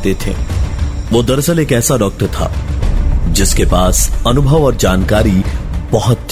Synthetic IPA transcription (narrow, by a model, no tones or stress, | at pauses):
t̪et̪ʰḛː | ʋoːd̪ɐɾsəleːkɛːsaɖɔːk̚ʈəɾt̪ʰa̰ː | d͡ʒɪskepaːsɐnʊbʱəʋɔːɾd͡ʒaːnkaːɾib̥ɐɦɔt̪